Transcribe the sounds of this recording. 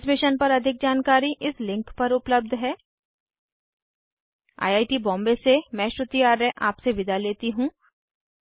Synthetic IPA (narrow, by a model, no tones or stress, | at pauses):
smɪʃənpɐɾɐd̪ʱɪk̚d͡ʒaːnkaːɾiʔɪslɪ̃ŋkpɐɾʊpləb̚d̪ʱɦɛː | a̰ːjaːʈibɔ̃ːmbesemɛ̃ːʃɾʊt̪ijaːɾːẽʔaːpseʋɪd̪ʱaleːt̪iɦũː